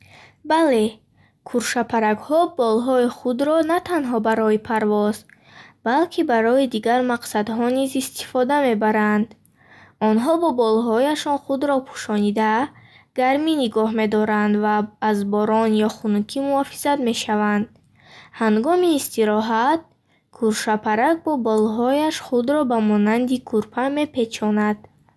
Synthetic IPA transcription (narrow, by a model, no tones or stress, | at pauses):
bale̞ | kʰuɾʃapʰaɾaɡhɔbɔlɦɔiχud̪ɾɔnat̪ʰanɦɔbaɾɔipʰaɾvɔz | b̥alkʰibaɾɔid̪iɡaɾmaqsad̪ɦɔnizist̪i̥fɔd̪ame̞baɾand̪ | ɔnɦɔbɔbɔlɦɔjaʃɔnχud̪ɾɔpʰu̥ʃɔnid̪a | ɡ̥aɾminiɡɔɦme̞d̪ɔɾand̪vaːzbɔɾɔnjɔχunukʰimuɔfi̥zad̪me̞ʃavand̪ | haŋɡɔmiːst̪iɾɔɦat̪̚ | kʰuɾʃapʰaɾak̚bɔbɔlɦɔjaʃχud̪ɾɔbamɔnand̪ikʰuɾpʰame̞pʰe̞t͡ʃʰɔnad̪̥